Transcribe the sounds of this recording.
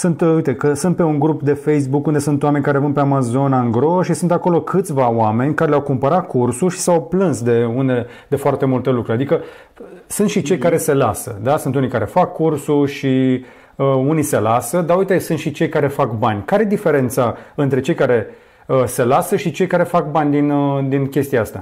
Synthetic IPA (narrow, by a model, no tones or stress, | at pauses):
sunt̪ujt̪e̞kəsunt̪̚pe̞uŋɡɾupd̪e̞fe̞js̬bukund̪e̞sunt̪owame̞nʲkaɾe̞vənpe̞amazo̞naŋɡɾoʃisunt̪ako̞lo̞kʰɨt̪sʲvaoame̞nʲkaɾe̞leawkumpəɾat̪kʰursuʃi̥sawplɨnsd̪e̞unele | d̪e̞foart̪e̞mult̪e̞lukɾuɾʲad̪ikə | sunt̪ʃit͡ʃe̞jkaɾe̞se̞lasəd̪asunt̪unijkaɾe̞fakːursuʃi | əunijse̞lasəd̪aujt̪esunt̪ʃit͡ʃe̞jkaɾe̞fakbanʲkaɾejd̪ife̞ɾe̞nt̪saɨnt̪ɾe̞t͡ʃe̞jkaɾe̞ | əse̞lasəʃit͡ʃe̞jkaɾe̞fak̚banʲd̪inəd̪inkʲe̞st̪iaast̪a̰